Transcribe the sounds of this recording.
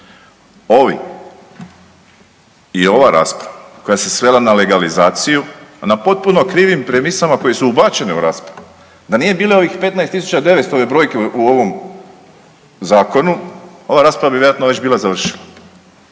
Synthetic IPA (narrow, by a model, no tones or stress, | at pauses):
o̞ʋḭ | io̞ʋaɾa̰ːspɾaʋako̞jase̞sʋe̞lanale̞ɡalizaːt̪sijunapo̞t̪̚puno̞kɾiːʋimpɾe̞misamako̞je̞suubat͡ɕe̞neṵɾaːspɾaʋu | d̪anije̞biːleo̞ʋixpe̞t̪najst̪ːisut͡ʃad̪e̞ʋest̪o̞ʋe̞bɾo̞jkeuo̞ʋo̞m | zaːko̞nuo̞ʋaɾaːspɾaʋabiʋjeat̪noʋe̞t͡ɕbiːlˠazaʋr̩ʃila